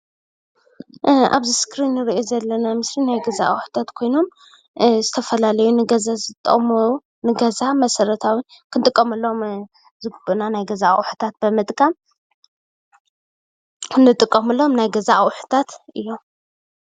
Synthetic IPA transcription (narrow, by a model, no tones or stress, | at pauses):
ʔa̰βziskʰɾinːɨɾiʔozɐlːɐnamɨslinajɡɐza̰ʔa̰wħu̥t̪ʰat̪kʰo̞jno̞m | zɨt̪ʰɐfɐlalɐjunɨɡɐzazɨt̪ʼːɐ̰ʔʼmɐu | nɨɡɐzamɐsɐɾɐt̪ʰawikʰɨnt̪ʼɨkʼːɐmɐlːo̞m | zɨɡɨbɨnanajɡɐzaʔwħu̥t̪ʰat̪̚bɨmɨt̪ʼkʼam | ɨnːɨt̪ʼɨkʼːɐmɨlo̞mnajɡɐzawħu̥t̪ʰat̪ʔɨjːo̞m